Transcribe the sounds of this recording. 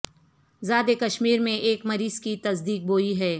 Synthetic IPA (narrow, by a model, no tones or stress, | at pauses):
zaːd̪ekɐʃmiːɾmẽʔeːkmɐɾiːz̥kit̪ɐsd̪iːk̚boːiɦɛː